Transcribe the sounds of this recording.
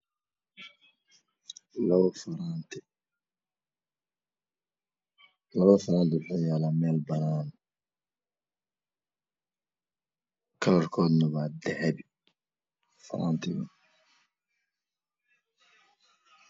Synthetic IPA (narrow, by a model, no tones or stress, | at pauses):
lɐβɐfɐɾaːnt̪ʰɪ | lɐβɐfɐɾaːnt̪ʰɪwʊħuːjaːlaːmɛːlbɐnaːn | kʰɐlɐrkʰɔːd̪nɐβaːd̪ɛʕɛb | fɐ̰ɾʔa̰ːnt̪ʰɪɣɐ̰